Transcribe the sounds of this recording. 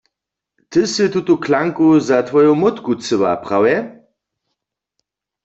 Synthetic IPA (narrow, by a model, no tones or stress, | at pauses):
t̪ɨsɨt̪ut̪ukʰlaŋkuzat̪ʋɔjomot̪kut͡sɨwa̰pʁ̥awɛ